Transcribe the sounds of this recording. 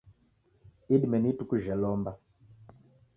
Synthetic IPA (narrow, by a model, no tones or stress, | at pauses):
iɗimɛnitukuʒɛlɔmba